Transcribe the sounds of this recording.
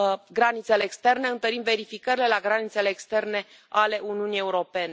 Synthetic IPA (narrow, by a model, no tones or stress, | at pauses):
ɡɾanit̪se̞le̞ːkst̪e̞rne̞ɨnt̪əɾimve̞ɾifikəɾile̞laɡɾanit̪se̞le̞ːkst̪e̞rne̞ | ale̞ʔuniunije̞uɾo̞pe̞ne